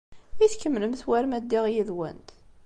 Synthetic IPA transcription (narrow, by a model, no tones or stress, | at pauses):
iθkːəmːləmθwæɾmæd̪ːiʁjiðwæ̰nt̪